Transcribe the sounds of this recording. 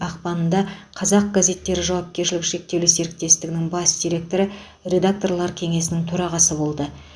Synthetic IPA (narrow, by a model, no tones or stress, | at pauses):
ɑq̚pɑnənd̪ɑqʰɑzɑq̚ɡaze̞t̪ːe̞ɾɪʒɑwɑp̚kʲe̞ɾʃɪlɪkʃe̞k̚t̪ewlɪse̞ɾɪk̚t̪e̞st̪ɪɡʲɪnɪŋbɑsd̪ijɾe̞k̚t̪o̞ɾə | re̞d̪ak̚t̪o̞rlˠɑɾkʲʰe̞ŋe̞sɪnɪŋt̪ʰɵɾɑʁɑsəbo̞lˠd̪ə